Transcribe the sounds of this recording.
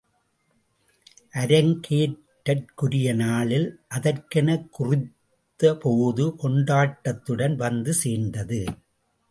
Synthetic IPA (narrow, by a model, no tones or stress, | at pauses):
ʔɐɾɐŋkʰeːʈːɐrkʊɾɪjɐnaːɭɪlʔɐðɐrkɐnɐkːʊrɪt̪ːɐpoːðɯkɔɳɖaːʈːɐt̪ːɯɽɐnʋɐnd̪ɯseːɾnd̪ɐðɯ